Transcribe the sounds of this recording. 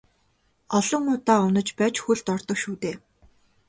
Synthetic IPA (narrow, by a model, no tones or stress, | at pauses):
ɔɮɞ̆ŋʊːt̪aːʊnə̆t͡ɕpæːt͡ɕxuɮt̪ɔrt̪ɞ̆kʃuːt̪eː